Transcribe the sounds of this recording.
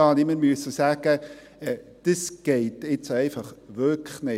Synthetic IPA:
ɑːnɪməɾmyəsəsæːɡ̥ə | d̥əsɡ̥eɪtɪt͡sɛɪfɑχʋøkʰχnɪ

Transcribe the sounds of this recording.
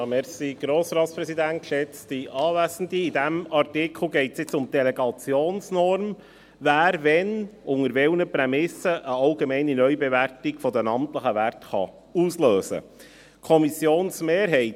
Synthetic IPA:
mɛɾsiɡ̥ɾoːsɾɑːt̪spɾɛsid̪æntʃɛt͡stiʔɑːvæːzəndiidæmɑɾtɪkʰl̩ɡɛɪtsjɪt͡sʊmd̥ɛlɛɡɑt͡sjoːnsnɔɾm | væːɾvɛnʊŋəɾʋɛlnəpɾɛmɪsəʔəɑlɡemɛɪninœʏbɛværtɪɡ̥fɔdənɑmtləχəʋærtχɑ̰ | uːsløːsə̰ | kʰɔmisjoːnsmeːɾɦɛɪt

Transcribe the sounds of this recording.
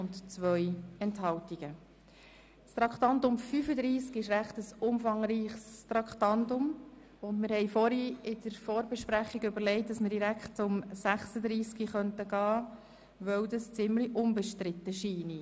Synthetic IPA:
ʊntt͡sʋœjɛnthɑwtiɡ̥ə | st̪ɾɑktɑndʊmfyfəd̪ɾiːskɪʃɾæχtəsʊmfɑŋɾiːχstɾɑktɑndʊm | ʊndmɪɾhɛɪfɔɾiɪd̥əɾfɔːɾbɛʃpɾæχiɡʏbəɾlɛɪt̚d̥ɑsməɾdiɾækʰtt͡sʊmsæχsəd̪ɾiːskiχœntəɡɑː | ʋœwdəst͡sɪmliʔʊnbɛʃtɾɪtːəʃiːni

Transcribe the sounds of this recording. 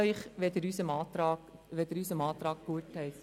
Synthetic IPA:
œʏχʋɛd̪əɾysəmɑːt̪ɾɑːʋɛd̥̪əɾysəmɑːt̪ɾɑːk̚ɡ̥uətʰɛɪt

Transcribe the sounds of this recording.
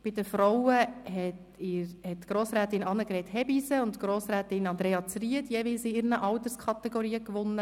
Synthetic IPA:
b̥ɪdəfɾɔwəɦɛt | ɪɾhɛtɡ̥ɾoːsɾæːtɪnɑnəkɾɛthɛbisəʊntɡ̥ɾoːsɾæːtɪnɑnd̪ɾeːɑt͡sriətjɛʋiːlsɪɪɾnəʔɑwtəskʰɑt̪ɛɡɔɾiːəkʋʊnːə

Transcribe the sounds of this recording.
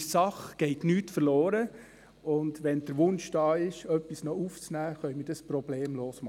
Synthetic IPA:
sɑχɡ̥ɛɪtnyːtfəɾloːɾə | ʊndʋɛnd̥əɾʋʊnʃd̥ɑːɪʃœpːisnɔuːft͡snæːχœʏmɪɾdɑspɾɔb̥leːmloːsmɑ

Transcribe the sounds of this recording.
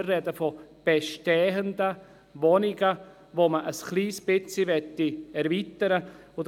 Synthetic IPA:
rːɛdəfob̥eʃtɛːɦənd̪ə | ʋonɪɡə | ʋoməʔəskliːsb̥ɪt͡siʋɛtːiɛɾviːt̪əɾə | ʊd

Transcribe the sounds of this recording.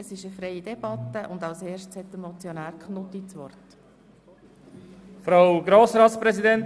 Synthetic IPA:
əsɪʃəfɾejid̥ɛb̥ɑt̪ːəʔʊnd̪ɑʊseːɾʃtt͡shɛt̪ːəmɔt͡sjɔnæːɾkχnʊt̪it͡sʋɔrt | fɾaʊɡɾoːsɾɑːt̪spɾɛsidɛnt

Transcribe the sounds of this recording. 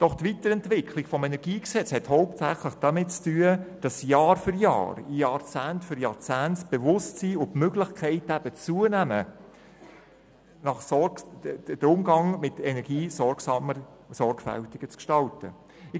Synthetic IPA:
d̥ɔχtʋitəɾɛntʋɪkʰlɪɡ̥fɔmɛnɛɾɡ̥iːksɛt͡shɛthoʊptsæχləχd̥ɑmɪtt͡styːəd̥ɑsjɑːɾfʏɾjɑ̰ːɾijɑɾt͡sæːntfʏɾjɑt͡sæːntb̥evʊstsiːʊfmøɡlɪχkʰɛɪtæb̥ət͡suənæmə | nɑχsɔ | d̥əɾʊmɡɑŋmɪtɛnɛɾɡ̥iːsɔɾɡsɑmə | sɔrɡ̥fæ̰ltɪɡət͡skʃtɑltə̰ | ɪ

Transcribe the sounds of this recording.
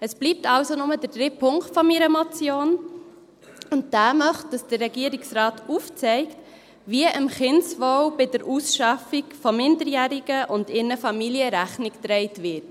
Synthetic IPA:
əsb̥liːp̚tɑwsonʊmədəd̥ɾɪpʰːʊŋktfɔmiɾəmɔt͡sjoːn | ʊnt̚d̥æːmœχt̚d̥ɑsd̥əɾːɛɡiəɾiksɾɑːtuft͡sɛɪkt | ʋiəʔəmχɪnsʋɔwbɪdəɾʔusʃɑfikfɔmɪndəɾjæːɾiɡ̥əʔʊndɪnəfɑmiliəɾæχniktɾɛɪtʋɪt

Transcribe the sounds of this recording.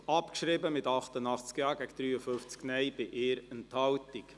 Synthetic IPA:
ɑpkʃɾɪbəmɪt̪ɑχt̪ənɑχt͡skjɑːɡɛɡd̪̥ɾyːəfʏft͡sknɛɪb̥ɪʔɪːɾɛnthɑltik

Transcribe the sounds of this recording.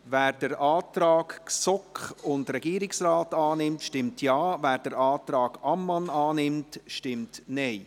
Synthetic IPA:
væːɾd̥əɾʔɑːtɾɑːkksɔkχʊndɾɛɡiːɾɪksraːtɑːnɪmtʃtɪmtʰjɑːvæːɾd̥əɾɑːtɾɑːɡ̥ɑmːɑnɑːnɪmtʃtɪmtnɛɪ

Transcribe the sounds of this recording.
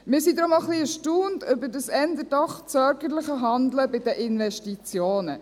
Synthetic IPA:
mɪːɾsid̪ɾomaχliəʃtuːndʏbəɾdəsɛnd̪ədɑχt͡sœɾɡəɾləχəɦɑndləbɪdəʔɪnʋɛʃtit͡sjoːnə

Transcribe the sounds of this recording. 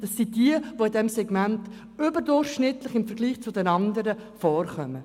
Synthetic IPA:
d̥ɑsːid̥iəʋoɪdɛmsɛɡmænt | ʏbəɾdʊrχʃnɪtlɪχɪmfəɾɡliːχt͡sʊdɛnɑnd̪əɾəfɔːrχœmə

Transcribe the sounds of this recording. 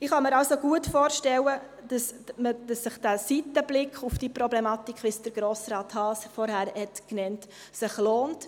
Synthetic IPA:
ɪχhɑməɾɑlsoɡuətfoːɾʃtɛlə | d̥ɑsməd̥ɑsːɪχd̥æsitəblɪkʰχufd̥ipɾɔblɛmɑːtikχʋɪsd̥əɾɡɾoːsɾɑːthɑːsfɔɾhæɾhɛtknɛnt | sɪχloːnt

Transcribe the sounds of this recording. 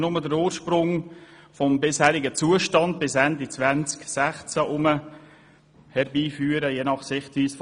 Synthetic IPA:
nʊmədəɾuːɾʃpɾʊŋfɔmbɪshæːɾɪɡət͡suːəʃtɑnd̚bɪsændit͡sʋænt͡sksæχt͡sæʔʊmə | hɛɾbiːfyːəɾəjeːnɑχsɪχtʋiːsf

